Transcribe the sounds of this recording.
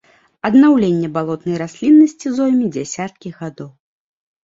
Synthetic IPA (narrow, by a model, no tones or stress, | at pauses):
ɐd̪nawlʲenʲːɛbalˠɔt̪nɐjɾasʲlʲinːɐsʲt͡sʲizɔjmʲid͡zʲasʲat̪̚kʲiɣad̪ɔw